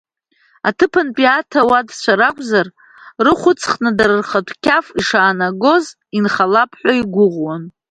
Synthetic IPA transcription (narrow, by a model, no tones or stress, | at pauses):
atʰɨpʰɨnpʼiatʰawadt͡ɕʷʰaɾakʷʼzar | rɨχʷʊt͡sʰʼχnadaɾɨrχatʷʰʼkʲʰafiʂaːnaɡo̞z | inχalapʰħʷᶣaiɡʷʊʁʷwan